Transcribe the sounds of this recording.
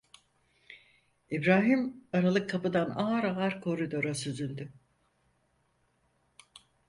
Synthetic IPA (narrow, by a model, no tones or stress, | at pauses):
ibɾaːɦimaɾalˠɯkʰːapɯd̪anaɦaɾaɦaɾkʰo̞ɾid̪o̞ɾasyzylʲd̪ʏ